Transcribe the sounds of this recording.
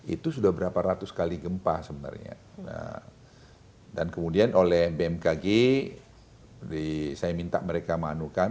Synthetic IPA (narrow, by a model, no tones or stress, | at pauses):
ḭt̪usudahbəɾapaɾat̪uskaliɡəmpasəbəna̰rɲa̰ | ə̰ | dankəmudianolɛhbeɛmkaɡe | disajamint̪a̰ʔməɾekamanukan